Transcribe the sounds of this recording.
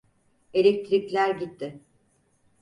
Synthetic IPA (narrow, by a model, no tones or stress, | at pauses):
e̞lʲec̚t̪ʰɾiclʲæɾɟit̪ʰːɪ